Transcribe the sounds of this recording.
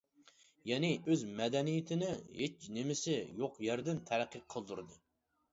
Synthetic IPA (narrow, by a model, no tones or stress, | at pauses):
jɛnɪøzmɛd̪ɛnijɪt̪ʰɪnɪhet͡ʃnɪmɪsɪjoqjæɾd̪ɪnt̪ʰæɾæqʰːəqʰːəlˠd̪uɾɨd̪ɨ